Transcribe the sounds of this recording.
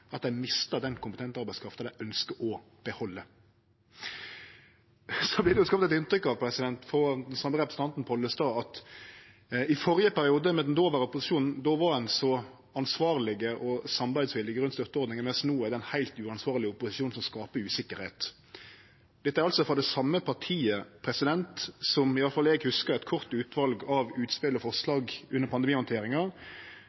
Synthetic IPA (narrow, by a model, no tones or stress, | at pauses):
ɑt̪̚d̪æɪmɪst̪əd̪ɛnkʰʊmpət̪ɛnt̪ɑɾbæɪskʰɾɑft̪əd̪æʔœnskəʔɔ | b̥əhɔlːə | sɔblɪd̪ɛjʊskɑp̚t̪ɛt̪ɪnt̪ɾʏkːɑʋpʰɾɛsɪd̪ɛnt̪fɔd̪ɛnsɑməɾɛpɾəsn̩ɑnt̪n̩pʰɔlːəst̪ɑːɑt̪ | ɪfɔɾjəpæɾɪuːd̪əmɛd̪ɛnd̪oːʋəʁəʊpʊsɪʃuːnn̩d̪oːʋɑɛnsɔ | ɑnsʋɑːʁlɪɡəʔɔsɑmbæɪsʋɪlɪɡəɾʉnt̪st̪œʁt̪ːəɔɾd̪nɪŋənmɛsnuːɛd̪ɛnhæɪlt̪ʉːɑnsʋɑːʁlɪʊpːʊsɪʃuːnsɔmskɑːpəʉːsɪkːəɾheːt̪ | d̪̥ɛt̪ːəæɾɑlt̪sɔfʁɔd̪ɛsɑmːəpʰɑʈʰiːəpʰɾɛsɪd̪ɛnt̪sɔmɪʋɑləfɑlɛːɡhʉskəɾɛt̪kʰɔɾt̪ʉːt̪ʰʋɑlɡɑʋʉːt̪spɪlɔfɔslɑːɡʉnːəɾpʰɑnd̪ɛmiːhɔnt̪ʰeːɾɪŋɑ